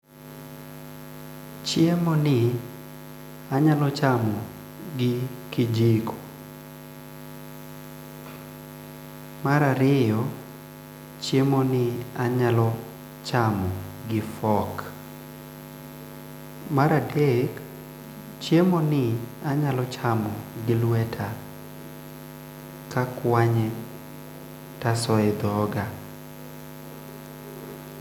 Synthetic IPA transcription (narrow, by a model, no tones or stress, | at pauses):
t͡ʃjemɔnɪ | aɲalɔt͡ʃamɔ | ɡɪkɪd͡ʒikʰo̥ | maɾaɾɪjɔ | t͡ʃjemonɪaɲalɔ | t͡ʃamɔɡɪfɔk | maɾadek | t͡ʃjemonɪaɲalɔt͡ʃamɔɡɪlwetʰa | kakwaɲɛ | tasɔɛd̪ɔɡa